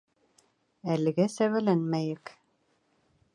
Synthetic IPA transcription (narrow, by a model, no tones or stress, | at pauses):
ælɘ̆ɡæsæwælænmæjɘk